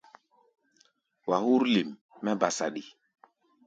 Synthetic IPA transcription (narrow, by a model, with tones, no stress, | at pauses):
wa˨hu˦ɾli˨mː | ɛ˦ba˨sa˨ɗi˨